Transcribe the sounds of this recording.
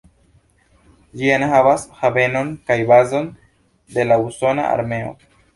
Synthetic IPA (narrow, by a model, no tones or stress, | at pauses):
ʎianxaβasxabe̞no̞ŋkajbazo̞n | d̪e̞lauso̞na̰a̰ɾmeo̰